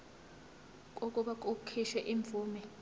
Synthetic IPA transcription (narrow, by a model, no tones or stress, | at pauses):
k̬ʼokʼuɓak̬ʼukʰiʃɛʔiɱb̪vuːmɛ